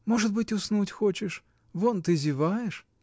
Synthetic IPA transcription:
mo̞ʐɨd̪̚bɨtʲʊsnutʲxot͡ɕɪʂ | vont̪ɨzʲɪvajɪʂ

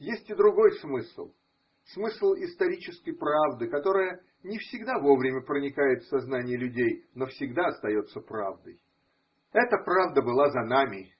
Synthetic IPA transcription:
jesʲtʲɪd̪ɾʊɡo̞jsmɨslˠ | smɨslˠɪst̪ɐɾʲit͡ɕɪskəjpɾavd̪ɨkɐt̪o̞ɾəjə | nʲɪfsʲɪɡd̪avo̞vɾʲɪmʲəpɾənʲɪkajɪt̪fsɐznanʲɪjəlʲʉdʲejno̞fsʲɪɡd̪aɐst̪ɐjo̞t̪səpɾa̰vd̪əj | ɛt̪əpɾavd̪əbɨlˠazɐnamʲɪ

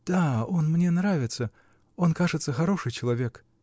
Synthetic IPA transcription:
d̪̥ao̞nmnʲe̞nɾavʲɪt̪sə | o̞nkaʐɨt̪səxɐɾo̞ʂɨjt͡ɕɪlˠɐvʲe̞k

